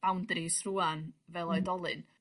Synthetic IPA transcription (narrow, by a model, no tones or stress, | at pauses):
awndrisruːanvɛlˠɔjdɔlˠɨ̰n